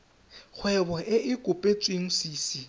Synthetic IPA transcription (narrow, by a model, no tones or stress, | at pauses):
k͡xʰwɛbɔʔɪʔɪkʼʊpʼet͡sʼweŋ̩siːsi